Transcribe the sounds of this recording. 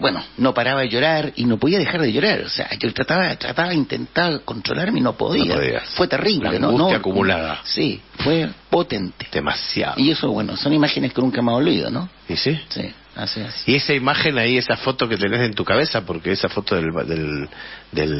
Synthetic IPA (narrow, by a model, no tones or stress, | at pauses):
bwenonopaɾaβaʝo̞ɾaɾinopoðiaðexaɾðeʝo̞ɾaɾo̰sḛa̰ʝot̪ɾat̪aβat̪ɾa̰t̪aβaint̪ḛnt̪ako̞nt̪ɾo̞̰lʔaɾmeinopo̞̰ðḭa̰ðḭa̰fwe̞t̪eriβlḛnoɡunojakumulaða̰sifwepo̞t̪ent̪e̥d̪ema̰sja̰ðiesoβwḛno̰so̞nimaxeneskenuŋkamaolβḭðo̰no | isisḭ | a̰siesiesaimaxenaiesafo̞t̪oket̪enesent̪ukaβesapoɾkeesafo̞t̪oðelβðeld̪el